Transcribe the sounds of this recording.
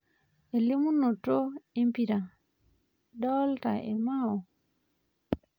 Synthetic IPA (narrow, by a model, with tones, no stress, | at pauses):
e˨li˦mu˦no˨to˦e˦mpi˨ɾa˨ | dɔ˦lta̰˨ʔḛ˨ma˦o˨